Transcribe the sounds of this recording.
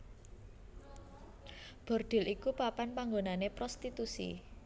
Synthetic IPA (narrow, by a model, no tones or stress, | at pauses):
b̥ɔ̤rɖ̪̥ɪ̤lʔikupapanpaŋɡonanepɾost̪it̪usḭ